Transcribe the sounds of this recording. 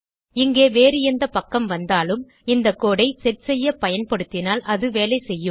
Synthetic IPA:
ɪŋɡeːʋeːɾɪjɐnd̪ɐpɐkːɐmʋɐnd̪aːlɯm | ɪnd̪ɐkːoːɽɐɪsɛʈsɛjːɐpɐjɐnpɐɽɯt̪ːɪnaːlʔɐðɯʋeːlɐɪsɛjːɯm

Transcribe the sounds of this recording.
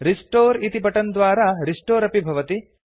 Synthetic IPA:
ɾisʈoːɾit̪ipɐʈɐnd̪ʋaːɾɐɾiʂʈoːɾɐpibʱɐʋɐt̪i

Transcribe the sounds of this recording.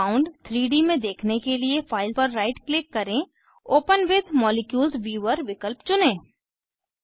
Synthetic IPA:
aːʊ̃ɳɖt̪ʰɾiːɖimẽd̪eːkʰnekeliefʰaːɪlpəɾːaːɪʈklɪkːɐɾẽ | oːpənʋɪd̪mɔːlɪkjuːlzʋiːʋəɾʋɪkəlpt͡ʃʊnẽː

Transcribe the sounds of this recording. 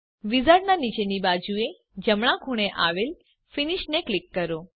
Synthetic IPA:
ʋizaɽnanit͡ʃenibad͡ʒue | d͡ʒəmɽãɡʱuɽ̃eʔaʋel | finiʃneklikːəɾo

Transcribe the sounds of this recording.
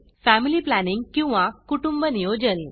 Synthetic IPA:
fæmiliːplæniŋɡkĩw̃ʋãkuʈumbənijod͡ʑən

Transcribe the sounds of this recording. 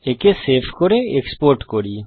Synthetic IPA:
ekeseːpʰkoɾeekspoːɾʈkoɾiː

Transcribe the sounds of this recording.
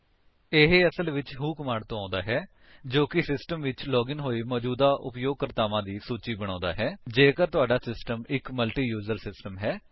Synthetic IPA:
eɦeəsəlʋɪt͡ʃɦũːkəmaːɳɖt̪õːãːnd̪aːɦɛː | d͡ʒoːkɪsɪsʈəmʋɪt͡ʃlɔːɡɪnɦoːiːmɔːd͡ʒuːd̪aːʔʊ̰pjoːɡ̚kəɾt̪aːʋãːd̪iːsuːt͡ʃiːbəɽ̃ãːnd̪a̰ːɦɛːd͡ʒeːkəɾt̪ʊaːɖaːsɪsʈəmɪkməlʈiːjuːd͡ʒəɾsɪsʈəmɦɛː

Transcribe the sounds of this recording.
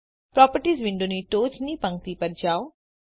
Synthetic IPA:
pɾɔːpəɾʈiːzʋiɳɖuniʈoːt͡ʃnipɐ̃ŋ̚t̪iːpɐɾd͡ʒaːw

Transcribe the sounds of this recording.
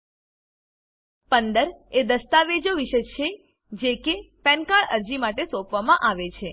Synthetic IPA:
pənd̪əɾed̪əst̪aʋed͡ʒoʋiʃəjt͡ʃʰe | d͡ʒekepɛ̃nkaɭəɾd͡ʒimaʈesopʋamãʔaʋet͡ʃʰe

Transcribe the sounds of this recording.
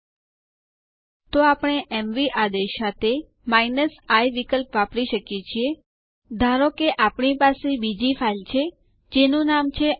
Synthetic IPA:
t̪oapɽ̃eʔɛmʋiʔad̪eʃat̪e | mainəsajʋikəlpʋapɽiʃəkjet͡ʃʰie | d̪ʱaɾokeʔapɳ̃ipasebid͡ʒifʰailt͡ʃʰe | d͡ʒenũnamt͡ʃʰe

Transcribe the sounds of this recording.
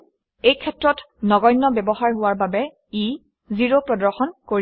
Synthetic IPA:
ejkʰɛtɹɔt | nɔɡɔjnːɔbɛbɔɦaɹɦʊwaɹbabɛ | i | ziɹopɹɔdɔɹxɔnkoɹ

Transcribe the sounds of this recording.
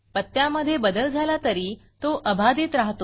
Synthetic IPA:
pət̪ːjaməd̪ʱːjebəd̪əld͡zʱalat̪əɾiː | t̪oʔəbʱad̪it̪ɾaɦt̪o

